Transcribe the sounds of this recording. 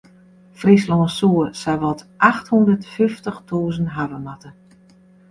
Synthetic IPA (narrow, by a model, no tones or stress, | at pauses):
frislɔːnsuəsɛjʋɔtʔaxthundərtfyftəxtʰuːzənɦavəmatə